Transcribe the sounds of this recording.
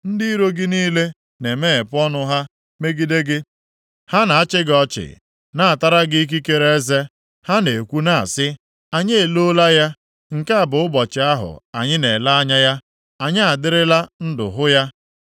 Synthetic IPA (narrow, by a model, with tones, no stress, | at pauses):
n̩˦dɪ˦i˦ɾo˦ɡɪ˦niː˦le˦ | ne˨me˦e˨pʊ˦ɔ˦nʊ˦ɦa˦ | me˦ɡi˦de˦ɡɪ˦ | ha˦na˨a˦t͡ʃɪ˦ɡɔ˨˦t͡ʃɪ̰˨ | na˦˨a˨ta˦ɾa˦ɡɪ˦k̬i˦ke˦ɾe˦e˦ze˦ | ha˦ne˨kʷu˦na˦a̰˨sɪ˦ | a˨ɲe˦e˨lo˦la˦ja˦ | ŋ̩˨ka˦a˨bʊ˨˦ʊ˦bɔ˨t͡ʃɪ˨a˦ɦʊ̰˨a̰˨ɲɪ˦ne˨la˦a˦ɲa˦ja˦ | a˨ɲɪ˦a˨dɪ˦ɾɪ˦la˦n̩˦dʊ̰˨ɦʊ˦ja˦